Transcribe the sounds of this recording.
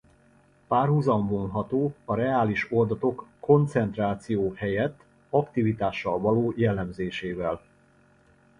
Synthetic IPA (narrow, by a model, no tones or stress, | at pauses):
paːrhuzɒmbonɦɒt̪oːɒɾɛaːliʃo̞ld̪ɒt̪o̞kːo̞nt̪sɛnt̪raːt̪sijoːhɛjɛt̪ː | ɒkt̪ivit̪aːʃːɒlvɒloːjɛlːɛmzeːʃeːvɛl